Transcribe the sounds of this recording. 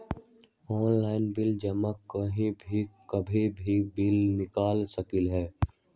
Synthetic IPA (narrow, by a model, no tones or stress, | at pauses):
ɔːnlaːɪnbɪld͡ʒɐmakːəɦĩbʱikɐbʱĩbʱibɪlnɪkaːlsəkɪlɦɛː